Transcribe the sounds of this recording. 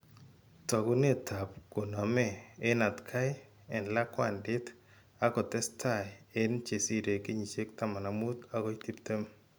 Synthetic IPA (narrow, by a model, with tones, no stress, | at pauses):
tɔ˨ku˦ne˦tʰa˨p̚ko˨nɔ˨mɛ˦˨e˦na˨tkʰa˦j | ɛ˨nla˦kwa̰˨ndɪ˦t | a˦kɔ˨tɛ˦stʰa˨je˦nt͡ʃe˨si˦ɾe˨ke˦ɲi˨t͡ʃe˦k̚ta˦ma˨na˨mu˦ta˦kɔ˦iti˦p̚te˦m